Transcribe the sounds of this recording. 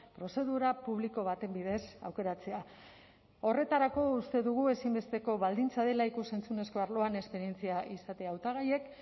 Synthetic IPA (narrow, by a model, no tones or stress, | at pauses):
pɾo̞se̞ðuɾapuβliko̞βat̪e̞mbiðesa̰wke̞ɾat͡se̞a | o̞re̞t̪aɾako̞ust̪e̞ðuɣ̞ue̞simbe̞st̪e̞ko̞βald̪int͡sað̞e̞laikuse̞nt͡sune̞sko̞aɾlo̞ane̞spe̞ɾie̞nt͡siaʔisat̪eaːwt̪aɣ̞aje̞k